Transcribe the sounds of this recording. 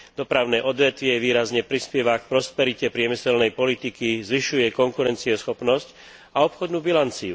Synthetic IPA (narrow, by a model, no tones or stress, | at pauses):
d̪̥ɔpɾaʊnɛːʔɔd̪ʋɛt̪ʋɪɛʋiːɾazɲɛpɾispjɛʋak̚pɾɔspɛɾicɛpɾɪɛmisɛlnɛjpɔlit̪ikizʋiʃujɛkɔŋkuɾɛnt͡siɔsxɔpnɔsc | aɔpxɔd̪nuːbilant͡siu